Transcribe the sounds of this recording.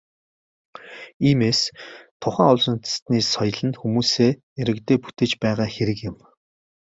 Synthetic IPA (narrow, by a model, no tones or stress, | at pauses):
iːmeːst̪ʰʊχæːŋʊɮsɞ̆nt̪̆st̪niːsɔj̆ɮə̆nxumuːseː | eɾɘ̆kt̪eːput̪ʰeːt͡ɕpæːʁaːxeɾɘ̆kjɪ̆m